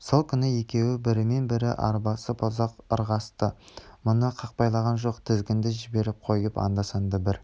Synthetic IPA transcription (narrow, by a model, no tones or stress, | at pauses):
so̞lˠkʲʰʏnɪje̞kʲe̞wɪbɪɾɪme̞nbɪɾɪʔɑ̰ɾbɑsəpʰozɑqəɾʁɑst̪əmʊnəqʰɑq̚pɑjlˠɑʁɑnʒo̞qt̪ʰɪzɡʲɪnd̪ɪʒɪbe̞ɾɪp̚qʰo̞jəpɑ̰nd̪ɑsɑnd̪ɑbɪɾ